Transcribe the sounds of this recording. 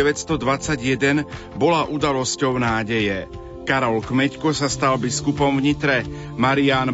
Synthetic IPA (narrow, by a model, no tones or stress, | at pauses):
ɛʋɛtst̪ɔd̪ʋat͡saɟjɛd̪ɛn | bɔlaʔud̪alɔscɔʊnaːɟɛjɛ | kaɾɔlkmɛckɔsast̪albiskupɔmvɲit̪ɾɛ | maɾiaːn